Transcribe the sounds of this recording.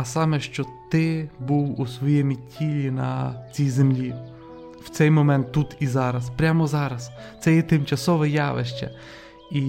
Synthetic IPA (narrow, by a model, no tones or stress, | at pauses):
ɐsɑmɛʃt͡ʃɔt̪ɪbuwusʋɔjɛmʲitʲʰilʲinɐ̰t͡sʲijzemlʲi | wt̪sɛjmɔmɛnt̪ːut̪izɑɾɐspɾʲamɔzɑɾɐs | t̪sɛjɛt̪ɪmt͡ʃɐsɔʋɛjɑʋḛʃt͡ʃɐ̰ | i